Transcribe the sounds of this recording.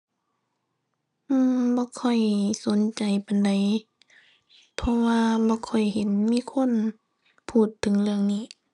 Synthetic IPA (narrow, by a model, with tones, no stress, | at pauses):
ʔɯː˧˩mbɔː˧˦kʰɔ˧˩jso˨˦nt͡ɕa˨˩jpa˨nda˨˩j | pʰɔ˧waː˧bɔː˧˦kʰɔ˨˩jhe˨˦nmiː˧˥˨kʰo˧˥˨n | pʰuː˧˩t̪ʰːɯ˨˦ŋlɯ˧əŋniː˧˩˨